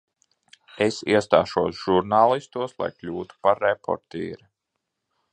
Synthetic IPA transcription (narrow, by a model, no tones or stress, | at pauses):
esiɛst̪aːʃuɔsʒ̥uɾnaːlˠist̪uɔslˠa̰jklʲuːt̪u̥paɾːepʰɔ̰ɾt̪ḭːɾi